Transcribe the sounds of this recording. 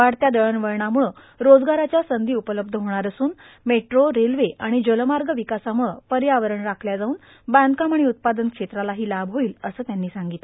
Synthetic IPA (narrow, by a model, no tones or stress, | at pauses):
ʋaɽt̪jad̪əɭənʋəɾɳamuɭə | ɾod͡zɡaɾat͡ɕjasənd̪iːupələb̚d̪ʱəɦoɽ̃aɾəsuːn | meʈɾoɾelʋeʔaɽ̃id͡ʑəlmaɾɡəʋikasamuɭəpəɾjaʋəɾəɳɾakʰljad͡zauːn | band̪kaməɽ̃iut̪̚pad̪ənkʂet̪ɾalaɦiːlabɦoiːləsəːt̪janːiːsaŋɡit̪l